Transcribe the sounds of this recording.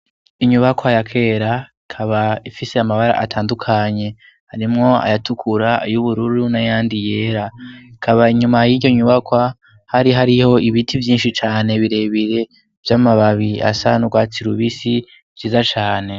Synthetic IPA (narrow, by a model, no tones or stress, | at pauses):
iɲuβakwajakʰe̞ːɾaikʰaβaifise̞amaβaɾa̰ʔatʰaːndukʰaɲe̞ | haɾimŋo̞a̰jatʰukʰuɾajuβuɾuɾunajaːndije̞ːɾakʰaβaiɲumajiːɟo̞ɲuβakwa | haɾiɦaɾiho̞iβitʰivjiːnʃit͡ʃaːne̞βiɾe̞βiɾe̞ | vjaːmaβaβia̰sanuɡwaːt͡siɾuβisi | vjiːzat͡ʃaːne̞